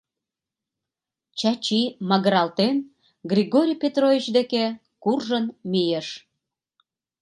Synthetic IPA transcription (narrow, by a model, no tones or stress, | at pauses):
t͡ɕɑt͡ɕimɑɣəɾɑlt̪en | ɡrʲiɣoɾʲijpet̪rovʲit͡ɕd̪eke | kurʒənmijəʃ